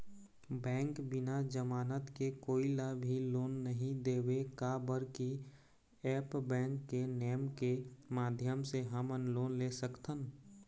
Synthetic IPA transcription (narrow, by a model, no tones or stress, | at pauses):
bɛ̃ːŋkbɪnad͡ʒəmaːnət̪kekoːilabʱiloːnːəɦĩd̪eːwekabəɾki | ɛːpbɛ̃ːŋkːeneːmkemaːd̪ʱjəmseɦəmənloːnlesəkt̪ən